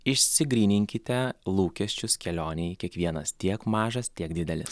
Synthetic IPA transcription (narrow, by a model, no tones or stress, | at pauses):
ɪʃʲsʲɪɡɾʲiːnʲɪŋʲkʲɪt̪ʲɛlˠuːkʲɛsʲt͡ʃʲʊskʲɛlʲoːnʲɛjkʲiɛkʋʲiɛnɐst̪ʲiɛkmɑːʒɐst̪ʲiɛkd̪ʲɪd̪ʲɛlʲɪs